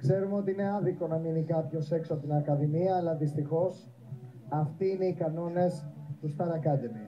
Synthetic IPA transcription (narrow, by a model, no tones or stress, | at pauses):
kse̞ɾumeo̞t̪iine̞ɐðiko̞nɐminikɐpço̞se̞ksoɐpot̪inɐkɐðimiɐːlɐðist̪ixo̞s | ɐft̪iine̞ikɐno̞ne̞st̪ust̪ɐɾɐkɐðimi